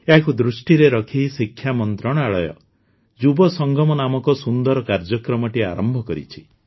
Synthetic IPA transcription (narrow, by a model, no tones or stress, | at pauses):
eɦakud̪ɾusʈiɾeɾɔkʰiɦisikʰːjamɔnt̪ɾɔɽ̃ɔaɭɔjɔ̰ | d͡ʒubɔsɔŋɡʱɔmɔnamɔkɔsund̪ɔɾɔkaɾd͡ʒɔkɾɔmɔʈia̰ɾɔmbʱɔkɔɾḭt͡ʃʰi̥